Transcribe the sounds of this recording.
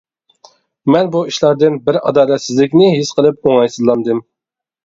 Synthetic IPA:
mɛnbuiʃlˠɑɾd̪ɨnbɪɾɑ̰d̪ɑːlɛt̪sɪzlɪkʲnɪɦisqʰəlˠɨp̚oŋɑjsɨzlˠɑnd̪ɨm

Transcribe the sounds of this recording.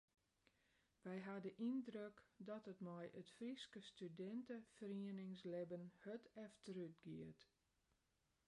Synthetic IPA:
ʋɛjɦadəʔindrøkdɔtətmɔjʔətfriskəstydɛntəfəriənɪŋslɪbənhøtɛftəɾyt̚ɡiət

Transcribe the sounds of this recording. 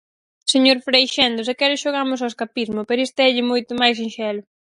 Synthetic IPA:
seɲoɾfɾejʃɛnd̪ʊsɛkɛɾʊʃoɣamʊs̬aweskapizmʊpeɾest̪eɛʎɪmojt̪ʊmajs̬inʃɛlʊ

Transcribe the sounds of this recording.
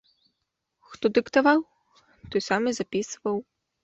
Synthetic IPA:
xt̪ɔd̪ɨkt̪avaw | t̪ɔjsamɨzapʲisvɐw

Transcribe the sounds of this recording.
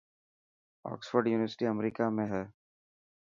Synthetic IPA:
ɔ̰ːksfəɾɖjuːnɪʋəɾsɪ̥ʈiɐmɾiːkamẽɦɛː

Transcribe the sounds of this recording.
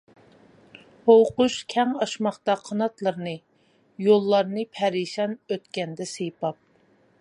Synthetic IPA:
howquʃkʲʰɛŋɑʃmɑχt̪ɑqʰɑnɑt̪lˠəɾnɨ | jolˠːɑɾnɨpʰɛɾiʃɑnøt̪kʲɛnd̪ɛsejpɑp̚

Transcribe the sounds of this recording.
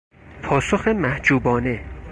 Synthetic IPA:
pʰɒːsoxemæhd͡ʒuːbɒːne̞

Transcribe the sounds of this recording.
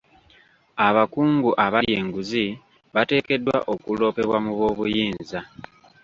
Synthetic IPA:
aβakuːŋɡuʔaβaje̞ːŋɡuzi | βate̞ːke̞dwa̰ʔo̞kulo̞ːpe̞βwamuβwo̞ːβujiːnza

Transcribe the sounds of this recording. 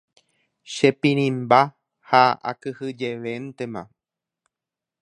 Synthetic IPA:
ʃepĩɾ̃ĩmba | haa̰kɨhɨd͡ʒe̞ʋe̞nt̪e̞mã̰

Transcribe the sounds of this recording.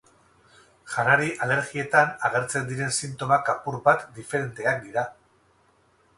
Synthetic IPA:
ʝanaɾiʔale̞ɾɣie̞t̪anaɣ̞e̞ɾt͡se̞nd̪iɾe̞nsint̪o̞makapuɾbat̪d̪ife̞ɾe̞nt̪e̞ak̚d̪iɾa

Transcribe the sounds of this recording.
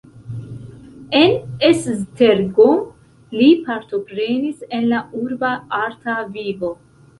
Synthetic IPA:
e̞neszteɾɡo | lipaɾt̪o̞pɾe̞nise̞nlauɾbaaɾt̪avivo̞

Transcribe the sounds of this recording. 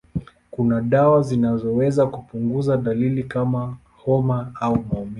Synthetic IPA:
kunaɗawazinazɔwɛzakupuŋɡuzaɗalilikama | hɔmaaumaɔmi

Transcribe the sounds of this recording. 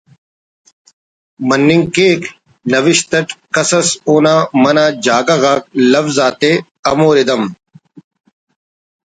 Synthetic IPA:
mɐnːiŋkeːk | nɐʋiʃt̪ɐʈkɐsɐsoːnaːmɐnaːd͡ʑaːɡɐɣaːk̚lɐfzaːt̪e | ɐmoːɾid̪ɐm

